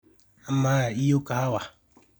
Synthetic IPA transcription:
a˨ma˦a˨i˦o˦ka˨ha˦wa˨

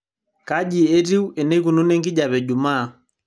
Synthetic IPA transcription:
ka˦ʄi˨e˦ti˦wɛ˨nɛ˦ku˨nu˦nɛ˦ŋɡi˦ʄa˨βɛ˨d͡ʒu˨maː˦˨

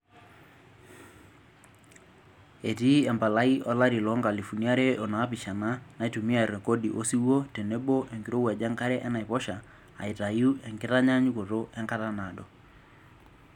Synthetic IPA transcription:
e˨ti˦ɛ˨mba˨la˦i˦ʔɔ˦la˦ɾi˨lɔ˦ŋɡa˨li˨fu˨ni˦a˦ɾe˦ʔo˨naː˨˦pi˨ʃa˨na˦na˨˦i˦tu˨mi˦a˦˨ɾɛ˨ko˦di˨ʔo˦si˦wo˦te˨ne˦bo˦ʔe˨ŋɡi˨ɾo˦wɛ˨d͡ʒa˦ŋka˦ɾɛ˦ʔɛ˦na˨i˨pɔ˦ʃa̰ː˨ | i˨ta˨ju˦ɛ˨ŋɡɪ˦ta˦ɲa˦ɲu˦ko˨to˦ʔɛ˦ŋka˦ta˦na˨dɔ˨

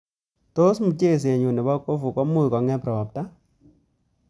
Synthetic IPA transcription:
to˦smu˨t͡ʃe˦˨s̬e˨ɲu˨nɛ˨ba˦ko˦fu˨kɔ˦mʊ˦˨kɔ˨ŋɛ˦pɾɔ˨p̚ta˦

